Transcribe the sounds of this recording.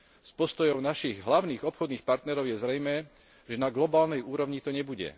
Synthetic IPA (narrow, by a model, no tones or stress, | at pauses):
spɔst̪ɔjɔʊnaʃiɣɦlaʊniːɣɔpxɔd̪niːxpaɾt̪nɛɾɔʊjɛzɾɛjmɛː | ʒɛnaɡlɔbaːlnɛjuːɾɔʋɲit̪ɔɲɛbuɟɛ̰